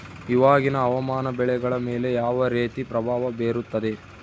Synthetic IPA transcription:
iʋaːɡinɐːʋɐmaːnɐbɛɭɛɡɐɭɐmeːle̞jaːʋɐɾeːt̪ipɾɐbʱaːʋɐbeːɾut̪ːɐd̪e

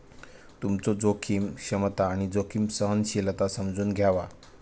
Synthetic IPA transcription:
t̪umt͡sɔd͡zokʰiːmɕəmət̪aːɽ̃id͡zokʰiːmsəɦnɕilət̪asəmd͡zuːnɡʱjaʋa

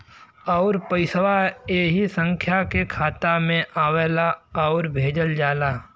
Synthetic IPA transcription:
ɔːɾpəɪswaeːɦisə̃ŋkʰjakekʰaːt̪amẽʔaːweːlaɔːɾbʱeːd͡ʒəld͡ʒaːlaː

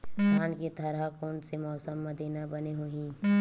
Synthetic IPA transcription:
aːnkit̪ʰɐɾɦakoːnsemɔːsəmːɐd̪ʱiːnabɐneɦuĩː

